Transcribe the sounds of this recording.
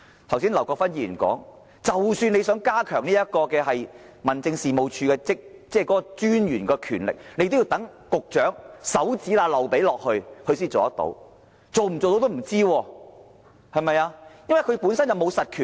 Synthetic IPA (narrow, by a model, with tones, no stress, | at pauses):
t̪ʰws̬iː˥nlɐ˨˩wkɔː˧k̚fɐ˥njiː˨˩˨kɔ̰ː˨˥ŋ | t͡sɐ˨wsyː˧ne˨˧jsœː˨˥ŋkaː˥kʰœː˨˩ŋniː˥jɐ˥t̚kɔː˧kɛː˧ɦɐ˨j | mɐ˨˩nt͡sɪ˧ŋsiː˨˩mo˨wt͡ʃʰyː˧kɛː˧t͡sɪ˥k̚t͡sɛː˥˩kɔː˨˥kɔː˧t͡ʃyː˥njyː˨˩nkɔː˧kʰyː˨˩nlɪ̰˨k̚ne˨˧jt̪o˥wji˧wt̪ɐ˨˥ŋkʊ˨k̚t͡ʃœː˨˥ŋsɐ˨˥wt͡siː˨˥laː˨˧lɐ˨wpe˨˥jlɔː˨k̚hɵ˧ɥhɵ˧ɥsiː˥t͡so˨ɐ˥t̪o̰˨˧w | t͡so˨wm̩˨˩t͡so˨wt̪o˧˥t̪m̩˨˩t͡siː˥wɔː˧ | hɐ˨jmɐ˨jaː˧jɐ˥nwɐ˨jkʰɵ˧ɥpuː˨˥nsɐ˥njɐ˨˧wmo˨˧wsɐ˨t̚kʰyː˨˩n